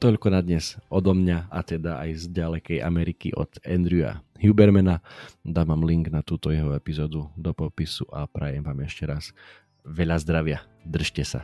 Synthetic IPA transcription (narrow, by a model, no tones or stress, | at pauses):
t̪ɔʎkɔnad̪ɲɛz̥ɔd̪ɔmɲaat̪ɛd̪aʔajzɟalɛkɛjʔa̰mɛɾikḭʔɔ̰d̪ɛnd̪ɾua̰hjubɛɾmɛnad̪aːʋaːmliŋɡnat̪uːt̪ɔjɛɦɔɛpizɔːd̪ud̪ɔpɔpisuʔapɾɛjɛmʋaːmɛʃcɛɾas | ʋɛʎazd̪ɾaʋɪa | d̪r̩ʃcɛsa̰